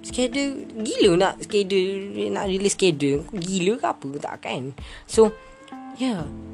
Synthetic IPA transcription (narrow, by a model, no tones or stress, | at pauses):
skɛdəɡilənaʔskɛdəna̰ʔɾiliskɛdəɡiləkaapət̪a̰ʔka̰nso | ja